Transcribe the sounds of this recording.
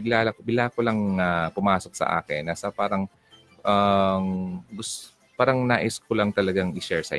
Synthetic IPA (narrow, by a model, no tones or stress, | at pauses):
ɪɡlaːlɐkbɪlaːkolaŋapʊmaːsok̚sɐ̰ʔa̰ːkɪnːasɐpaːɾɐŋ | ʔamɡʊs | paːɾɐŋnaːʔɪskolɐŋt̪ɐlɐɡaŋʔɪʃɛɹsɐ̰